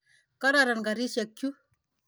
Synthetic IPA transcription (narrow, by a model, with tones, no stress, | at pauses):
ka˦ɾa˨ɾa˨nka˨ɾi˦ʃe˨kːju˦